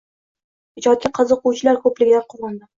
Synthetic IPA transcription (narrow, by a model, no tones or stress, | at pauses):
hɪd͡ʒɒt̪̚kʲaqʰɨzɨqʊwt͡ʃʰɪlaɾkʰɵplɪɡʲɪd̪anqʰoʁɨnd̪ɪ